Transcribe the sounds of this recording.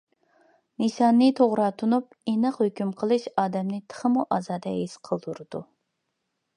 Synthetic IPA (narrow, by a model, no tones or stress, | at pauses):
nɨsɑnːɨt̪ʰoʁɾɑt̪ʰunup̚ | enɨqhøkʲymqʰəlˠɨʃɑːd̪ɛmnɨt̪ʰə̥χəmuʔɑːzɑːd̪ɛɦesqʰəlˠd̪uɾɨd̪̥u